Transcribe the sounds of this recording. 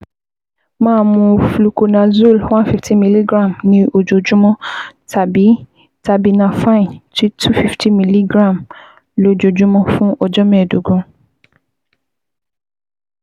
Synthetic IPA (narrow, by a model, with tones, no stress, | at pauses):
mãː˦˧˦mũ˧flu˨ko˧nã˨zu˦˨lwã˦nfi˦fti˦mĩ˨˧li˦ɡɾã˦˨mnĩ˧˦o˧d͡ʒo˨d͡ʒũ˦mɔ̃˦tʰa˨bi˨˦ | ta˧bi˧nã˧fa˦ĩ˨nti˦tʰu˦fi˦fti˦mĩ˧˨li˦ɡɾã˦˨m | lo˦d͡ʒo˨d͡ʒũ˦mɔ̃˦fũ˦ʔɔ˧d͡ʒɔ˦mɛ̃˦˨du˨˦ɡũ˧˦